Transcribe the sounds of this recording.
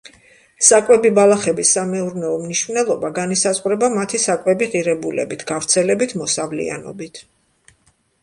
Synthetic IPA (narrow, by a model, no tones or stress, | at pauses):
sakʼwɛbibalˠaχɛbisːamɛuɾnɛɔmniʃvnɛlˠɔbaɡanisazʼqʼɾɛbamat̪ʰisakʼwɛbiʁiɾɛbulɛ̰bit̪ʰɡ̥avɾt̪sʰɛlɛbit̪ʰmɔsavlḭa̰nɔ̰bit̪ʰ